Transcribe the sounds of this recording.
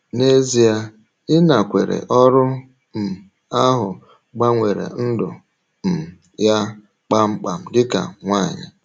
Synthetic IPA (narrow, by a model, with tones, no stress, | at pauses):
ne˦zi˨a˦ | ɪ˦na˨kʷḛ˨ɾḛ˨ʔɔ˦ɾʊ˦ | m̩˨ | a˦ɦʊ˨ | ɡ͡ba˦ŋʷe˨ɾḛ˨n̩˦dʊ̰˨ | m̩˨ | ja˦ | k͡pa˦ŋ͡m̩˦k͡pa˨m̩˦ɡɪ˦ka̰˨ŋʷa˦˨ɲɪ̰˨